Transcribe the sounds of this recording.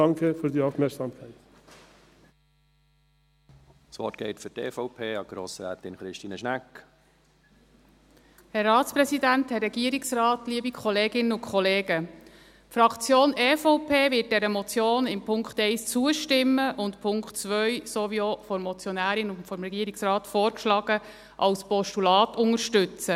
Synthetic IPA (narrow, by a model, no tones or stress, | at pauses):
ɑŋkʰəfyːɾdiːaʊfmɛɐksɑmkʰaɪt̪ | sʋɔ̰tɡ̥ɛ̰ɪt̪fʏɾtḛːfɔʊpʰeːɑɡ̥ɾo̰ːsɾæ̰ːt̪ɪnχɾɪʃtiːnəʃnæk | hɛrːɑːtspɾɛsidænthɛrːɛɡiəɾɪksɾɑːtliəbikχɔleːɡɪnːəʊnkʰχɔleːɡ̥ə | fɾɑkt͡sjoːnɛːfɔʊpʰeːvɪət̚d̥ɛɾəmɔt͡sjoːnɪmpʰʊŋkχtɛɪst͡suəʃtɪmːəʔʊntpʰʊŋkχtt͡sʋœɥsoʋiofɔmɔt͡sjɔnæːɾɪnʊfɔmɾɛɡiəɾɪksrɑːt̪foːɾkʃlɑɡ̥ə | ʔɑlspɔʃtulɑːtʊŋəɾʃtʏt͡sə